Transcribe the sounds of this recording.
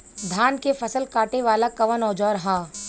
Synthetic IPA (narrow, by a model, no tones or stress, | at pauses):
d̪ʱaːnkefɐsəlkaːʈeʋaːlakɐʋənɔːd͡ʒɔːɾɦãː